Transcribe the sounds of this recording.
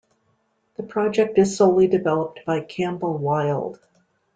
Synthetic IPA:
ðɨpʰɹ̥ɑd͡ʒɛk̚tɨz̥soʊlˠidɨvɛlˠəp̚t̚b̥aɪkʰæ̃mbl̩ˠwaɪlˠd̥

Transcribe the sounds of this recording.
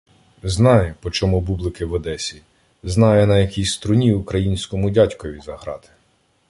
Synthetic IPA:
znɑjɛpɔt͡ʃɔmubublˠɪkɪʋɔd̪ɛsʲi | znɑjɛnɐjɐkʲisʲst̪ɾʊnʲiʊkɾɐjinʲsʲkɔmʊdʲatʲkɔʋʲizɐɦɾɑ̰t̪ɪ̥

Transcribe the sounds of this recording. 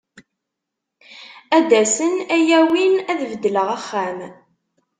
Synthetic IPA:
æd̪æsənæjæwinæðvəd̪ːləʁæχːæm

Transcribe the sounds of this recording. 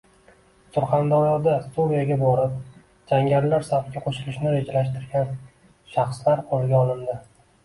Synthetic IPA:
sʊɾχɑnd̪aɾjɒd̪ast̪ovijaɡʲabɒɾɪp̚ | d͡ʒaŋɡʲaɾlaɾsafɡʲaqʰoʃɪlɪʃnɪɾe̞d͡ʒalaʃt̪ɪɾɡʲan | ʃɑχslaɾqʰozɪɡʲaɒlˠɪnd̪ɪ

